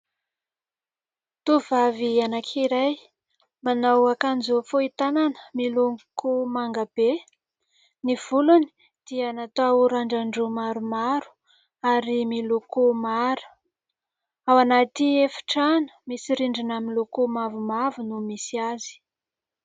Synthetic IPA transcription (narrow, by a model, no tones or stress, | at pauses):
t̪uvavianakʰiɾaj | manawakanzufoit̪ananə̥miluŋkʰumaŋɡab̥e | niv̥uluni̥ | d̪̥ianat̪auɾaɳɖ͡ʐaɳɖ͡ʐumaɾumaɾu̥ | aɾimilukumaɾu̥ | awanat̪iefi̥ʈ͡ʂanə̥misiɾiɳɖ͡ʐinaminlukumavumavunumisiazi̥